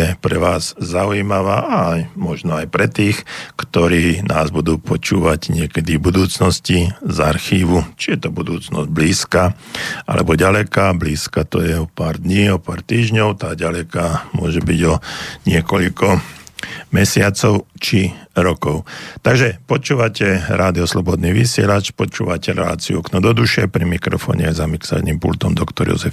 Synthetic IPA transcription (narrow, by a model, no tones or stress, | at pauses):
ɛpɾɛʋaːz̥zaujimaʋaːʔaajmɔʒnɔajpɾɛt̪iːxkt̪ɔɾiːnʔaːzbud̪uːpɔt͡ʃuːʋaɟɲɪɛkɛd̪ibud̪uːt͡snɔscizaɾxiːʋut͡ʃijɛt̪ɔbud̪uːt͡snɔ̰zɟ̚bliːskaːʔa̰lɛ̰bɔɟalɛkabliːskat̪ɔ̰jɛɔpaːɾd̪ɲiːɔpaːɾt̪iːʒɲɔʊt̪aːɟalɛkaːmʊɔʒɛbiɟɔɲɪɛkɔʎkɔ | mɛsɪat͡sɔʊt͡ʃiɾɔkɔʊt̪aɡʒɛpɔt͡ʃuːʋacɛɾaːd̪iɔslɔbɔd̪niːʋisɪɛ̰lat͡ʃpɔt͡ʃuːʋacɛɾɛ̰la̰ːt͡siuɔknɔd̪ɔd̪uʃɪɛpɾimikɾɔ̰fɔ̰ːɲɛ̰zamiksa̰niːmpṵlt̪ɔmd̪ɔkt̪ɔɾjɔ̰zɛf